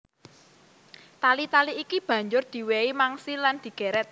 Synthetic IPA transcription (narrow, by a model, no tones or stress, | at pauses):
t̪alit̪aliikib̥ä̤ɲd͡ʒʊrd̪̥i̤weimaŋsiland̪̥i̤ɡ̥ɛ̤ɾɛt̪̚